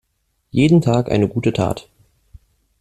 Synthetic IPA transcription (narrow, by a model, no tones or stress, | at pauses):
jeːdn̩tʰaːkʔa̰ɪnəɡuːtətʰa̰ːt